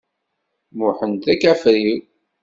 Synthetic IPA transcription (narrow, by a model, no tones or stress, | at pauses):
mʊħənt̪ækːæfɾiw